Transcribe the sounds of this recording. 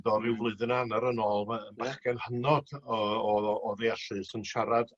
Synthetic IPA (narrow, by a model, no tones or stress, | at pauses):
dɔɾɪwvlˠɨðɨnanaɾənoːlˠənbaχkɛnhənɔd̥ɔɔðeaɬɨsənʃaɾad̥